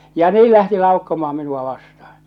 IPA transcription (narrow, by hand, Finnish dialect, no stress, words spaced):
jɑ niː læhti lɑukːomɑː minuɑ ʋɑstɑhɑ̥